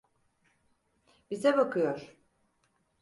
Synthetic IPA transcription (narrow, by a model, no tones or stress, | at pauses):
bizɛbakʰɯjoɾ̥